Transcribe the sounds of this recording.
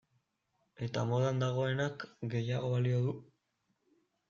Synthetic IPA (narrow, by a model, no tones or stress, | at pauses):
e̞t̪amo̞ðand̪aɣ̞o̞e̞nakɡe̞jaɣo̞βalio̞ðu